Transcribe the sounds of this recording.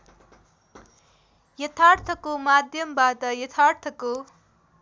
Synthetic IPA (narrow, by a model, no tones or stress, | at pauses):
jʌt̪ʰart̪ʰʌkomad̪ʱjʌmbat̪ʌjʌt̪ʰart̪ʰʌko